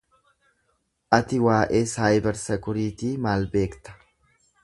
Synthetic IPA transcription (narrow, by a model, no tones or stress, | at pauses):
ʔɐt̪ɪwaːʔe̞ːsaːjbɛɾsɐkʊɾit̪iːmaːlbe̞ːkt̪ɐ̥